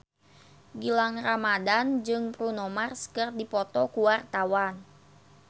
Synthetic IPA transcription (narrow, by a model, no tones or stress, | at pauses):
ɡilaŋramadand͡ʒɨŋpɾunɔmarsə̥kərdipɔt̪ɔkuwart̪awan